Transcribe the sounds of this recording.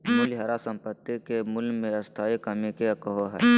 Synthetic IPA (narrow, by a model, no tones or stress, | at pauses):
mʊlɪɦaːɾasə̃mpət̪ːikemʊlmẽɐst̪ʰaːikɐmikekəɦoɦɛ̰ː